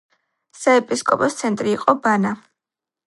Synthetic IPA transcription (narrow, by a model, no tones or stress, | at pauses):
saɛpʼiskʼɔpʼɔst̪sʰɛnt̪ʼɾiːqʼɔbana